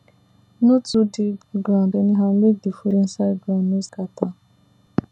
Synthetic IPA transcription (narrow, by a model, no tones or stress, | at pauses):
nutudɪɡɾandeniɦan̩ledifuɾin̩saɡɾamneskata